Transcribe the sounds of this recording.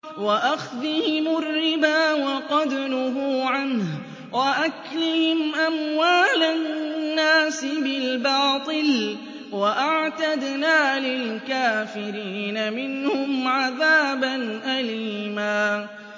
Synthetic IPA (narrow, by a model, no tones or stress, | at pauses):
waʔaxðɪhɪmʊrːɪbaːwɑqɑd̪nʊɦʊːʕanh | waʔaklɪhɪmʔamwaːlanːaːsɪbɪlbɑːt̪ˤɨl | waʔaʕt̪ad̪naːlɪlkaːfɪɾiːnamɪnhʊmʕaðaːbanʔaliːmaː